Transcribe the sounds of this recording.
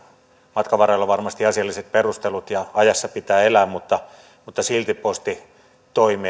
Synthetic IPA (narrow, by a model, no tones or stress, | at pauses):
mɑt̪kɑʋɑrɑlːɑʋɑrmɑst̪iɑsiɑlːiset̪̚perust̪elut̪jɑɑjɑsːɑpit̪æːelæːmmut̪ːɑ | mut̪ːɑsilt̪ippost̪i | t̪oimeː